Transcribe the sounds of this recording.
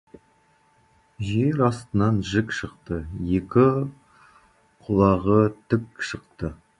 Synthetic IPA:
ʒe̞ɾɑst̪ənɑnʒɪkʃəqt̪əje̞kʲɪ | qʰʊlˠɑʁət̪ʰʏkʃəqt̪ə

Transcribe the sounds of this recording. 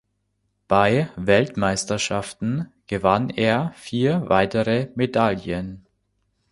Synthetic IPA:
b̥aɪvɛltmaɪstɐʃaftn̩ɡ̥əvaneːɐfiːɐvaɪtəʁəmedaljən

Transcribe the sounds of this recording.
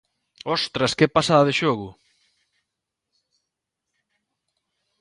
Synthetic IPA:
ɔst̪ɾɐskepasaðaðeʃoɣʊ

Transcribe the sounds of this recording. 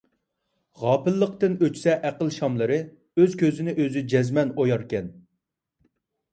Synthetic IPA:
ʁɑːpɨlːəq̚t̪ɨnøt͡ʃsɛʔæqəlˠʃɑmlˠɨɾɨ | øz̥kʲøzɪnɪʔøzyd͡ʒɛzmɛnojɑɾkʲɛn

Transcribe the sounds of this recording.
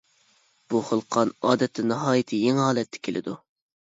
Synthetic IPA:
b̥uχəlˠqʰɑnɑːd̪ɛt̪ʰːɪnɑɦɑːjit̪ʰɨjeŋhɑːlɛt̪ʰːɛ̥kʲʰelʔɪ̰d̪u

